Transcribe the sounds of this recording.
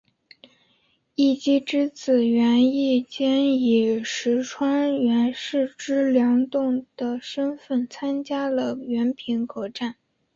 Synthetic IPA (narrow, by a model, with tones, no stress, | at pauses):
i˥˩t͡ɕi˥ʈ͡ʂɻ̩˥t͡sɹ̩˨˩ɥɛ˧˥ni˥˩t͡ɕjɛ˥ni˨˩ʂɻ̩˧˥ʈ͡ʂʰwa˥ŋɥɛ˧˥nʂɻ̩˥˩ʈ͡ʂɻ̩˥ljɑ˧˥ŋt̪ʊ˥˩ŋd̪̥ə˩ʂə˥nfə˥˩nt͡sʰa˥nt͡ɕja˥lə˨ɥɛ˧˥npʰi˧˥ŋkʰɤ˨˩ʈ͡ʂa˥˩n